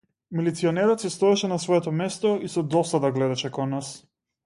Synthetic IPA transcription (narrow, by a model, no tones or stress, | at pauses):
milit̪siɔnɛɾɔt̪sist̪ɔɛʃɛnasvɔɛt̪ɔmɛst̪ɔisɔd̪ɔsad̪aɡlɛd̪aʃɛkɔnːas